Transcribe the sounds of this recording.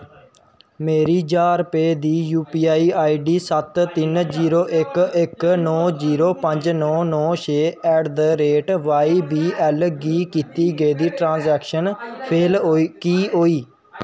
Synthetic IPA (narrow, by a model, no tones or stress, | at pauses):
meːɾiːd͡ʒaːɾpeːd̪iːjuːpiːaːiːaːiːɖiːsət̪ːɪnd͡ʒiːɾoːʔɪkɪknɔːziːɾoːpəɲd͡ʒnɔːnɔːʃʰeːɛːɖd̪əɾeːʈʋaːiːbiːɛːlɡiːkiːt̪iːɡeːd̪iːʈɾãːzɛːkʃənpʰeːlkiːɦoːiː